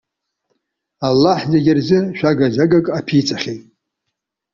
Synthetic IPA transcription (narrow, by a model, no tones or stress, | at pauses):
alːaħzeɡʲɪrzɨʃᶣaɡazaɡakʼapʰit͡sʰʼaχʲejtʼ